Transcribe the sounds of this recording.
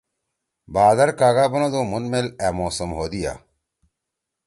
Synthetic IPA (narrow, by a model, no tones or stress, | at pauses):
baːd̪ɐɾkaːɡaːbɐnod̪oːmunmeleːmoːsɐmɦoːd̪ija̰